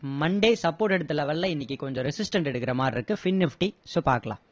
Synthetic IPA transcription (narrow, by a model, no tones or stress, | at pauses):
mɐɳɖeːsɐpːoːɾʈɛɽɯt̪ːɯlɐʋɐlːɐ̃ɪnːɪkʲːɯkɔɲd͡ʒɔɾɐsɪsʈɐɳʈɛɽɯkːɪɾɐmaːɾɪɾɯkːɯfɪnːɪfʈisʊpa̰ːɾkɐla̰ː